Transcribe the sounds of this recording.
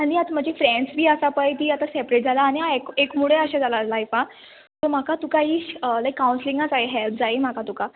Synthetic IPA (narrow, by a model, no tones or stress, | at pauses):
añiat̪m̤əd͡ʑifɾɛ̃ɳɖsbʱiːəsapəjt̪iːat̪asɛpɾeʈ̚d͡zʱalaːɽ̃iaekekmuɽeəɕad͡zʱalad͡zlajpa | t̪om̤akat̪ukaɦiːɕəlajkːawnsliŋɡat͡saeɦɛlp̚ʰd͡zaem̤akat̪uka